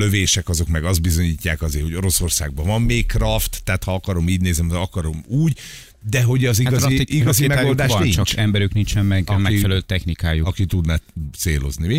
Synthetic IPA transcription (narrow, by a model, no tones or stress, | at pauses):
løveːʃɛkɒzo̞kmɛɡɒzd̪bizo̞ɲiːcːaːkɒzeːho̞ɟo̞ɾo̞so̞rsa̰ːɡ̚bɒvɒmːeːkkrɒft̪ːɛːt̪hɒɒkɒɾo̞miːɟneːznɛmd̪ɒkɒɾo̞muːɟ | d̪ɛɦo̞ɟɒziɡɒiiɡɒzimɛaold̪aːʃɒnit͡ʃːɒt͡ʃkɛmbɛɾyknint͡ʃɛmmɛɡmɛfɛlɛløt̪ːɛxnikaːjuɒkit̪ud̪nat̪seːlo̞zni